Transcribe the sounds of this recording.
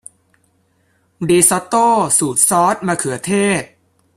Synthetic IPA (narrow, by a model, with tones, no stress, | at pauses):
diː˧sɔː˦˥t̪oː˥˩suː˨˩t̪̚sɔː˦˥t̪̚maː˧kʰɯ˩˦ɐt̪ʰeː˥˩t̪̚